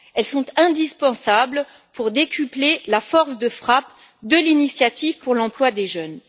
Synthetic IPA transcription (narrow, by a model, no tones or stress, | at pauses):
ɛlsɔ̃t̪ɛ̃d̪ispɑ̃sabl | puʁd̪ekʲyplelafɔʁsd̪əfχap | d̪əlinisjat̪ivpuʁlɑ̃plwad̪eʒœn